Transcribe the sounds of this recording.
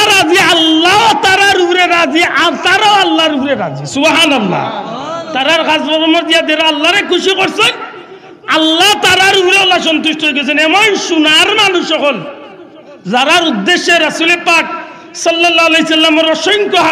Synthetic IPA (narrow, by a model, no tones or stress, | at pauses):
ɾazialːawt̪aɾaɾuɾeɾad͡ziaɾt̪aɾawalːaɾuɾeɾa̰d͡ʒisubɦanɐlːa̰t̪aɾaɾkʰasbɔbɔmɔɾd̪ijad̪eɾaalːaɾekʰusikɔɾsɔn | alːat̪aɾaɾuɾealːas̬ɔnt̪usʈɔɦojɡɔt͡ʃʰɔnemɔnʃunaɾmanuʃɔkɔl | zaɾaɾud̪ːeʃeɾɐsulepak | sɔlːɔlːalejsɐlːamɔɾɔʃɔŋkɔɦa